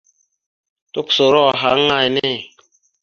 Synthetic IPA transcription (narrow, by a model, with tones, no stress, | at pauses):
tu˦kso˨ɾɔ˦˨ɦa˨˦ŋa˦˨jne˦˨